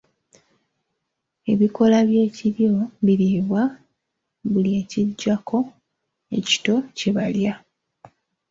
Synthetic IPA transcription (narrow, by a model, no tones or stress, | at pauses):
e̞βiko̞laβje̞ːciβjo̞βiβiβwa | βulie̞ːciɟːakʰo̞ | e̞̰ci̥to̞ce̞βalja